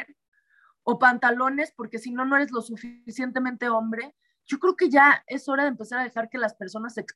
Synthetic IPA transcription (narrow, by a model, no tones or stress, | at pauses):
ɾ | o̞pant̪alo̞ne̞spo̞ɾke̞sino̞no̞e̞ɾe̞zlo̞sufisje̞nt̪e̞mẽnt̪e̞o̞mbɾe̞ | ɟ͡ʝo̞kɾe̞oke̞ʝae̞so̞ɾaðempe̞saɾað̞e̞xaɾke̞laspe̞ɾso̞nase̞ks